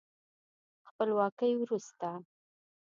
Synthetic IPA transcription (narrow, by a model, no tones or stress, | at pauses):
xpəlwɑkəjwɾust̪a